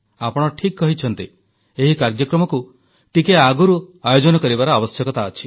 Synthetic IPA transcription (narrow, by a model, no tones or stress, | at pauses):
apɔɽ̃ɔʈʰikkɔɦit͡ʃʰɔnt̪i | eɦikaɾd͡ʒjɔkɾɔmɔku | ʈikeaɡuɾuajod͡ʒɔnɔkɔɾibaɾɔabɔsjɔkɔt̪aːt͡ʃʰi